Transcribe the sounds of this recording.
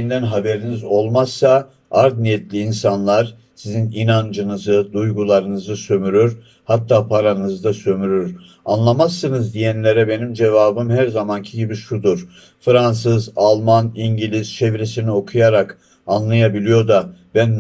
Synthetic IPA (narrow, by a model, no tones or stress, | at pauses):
ind̪ænɦabe̞ɾinizo̞lˠmasːa | aɾd̪nijɛt̪lʲiːnsanlˠaɾ | sizininand͡ʒɯnɯzɯd̪ujɡulˠaɾɯnɯzɯsø̞myɾyɾ | hat̪ʰːaːpʰaɾanɯzɯd̪asø̞myɾyɾ | anlˠamasːɯnɯzd̪ijænlʲe̞ɾɛbe̞nimd͡ʒe̞vaːbɯmhæɾzamancʰiɟibiʃud̪uɾ̥ | fɾans̬ɯzalˠmaniɲɟilʲizt͡ʃʰe̞vɾesinio̞kʰujaɾak | anlˠajabilʲijo̞d̪ab̥æn